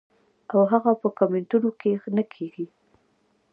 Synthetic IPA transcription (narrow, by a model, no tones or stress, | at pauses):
awɦaɣapəkamɪɳʈunokexnakʰeɡi